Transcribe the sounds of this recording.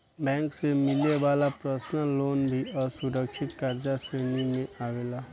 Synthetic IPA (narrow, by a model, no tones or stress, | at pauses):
bɛ̃ːŋksemɪleʋaːlapɾəsnəloːnbʱiəsʊɾəkʃɪt̪kaːɾd͡ʒaseːnimẽaːʋeːlaː